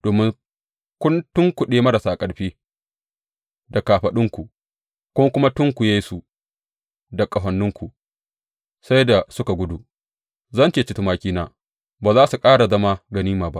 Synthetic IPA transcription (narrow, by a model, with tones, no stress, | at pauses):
d̥oː˨mɪ˦ŋ | kʷʊ˦ntʊ˦ŋkʷʊ˨ɗeː˦mɐ˦ɾa˨saː˨kʼɐ˨ɽɸiː˦ | da˨kaː˨ɸɐ˨ɗɪ˦ŋkʷu˨ | kʷʊ˦kʷʊ˦ma˦tʊ˦ŋkʷʊ˨je˦jsu˨ | dɐ˨kʼɐ˨ɦɐ˨nːʊ˦ŋkʷu˨ | sa˦jda˨sʊ˦ka˨ɡʷʊ˦du˨ | zɐ˦nt͡ʃeː˨t͡ʃɪ˦tu˦maː˦kʲiː˦naː˦ | baː˨zaː˦su˨kʼaː˦ɽa˨zɐ˦ma˦ɡɐ˨niː˦maː˨ba˦ʔ